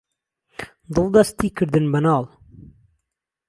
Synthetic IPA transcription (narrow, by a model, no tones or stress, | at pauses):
d̪ɨlˠd̪ɐst̪ikəɾd̪ɨnbɐnɑːl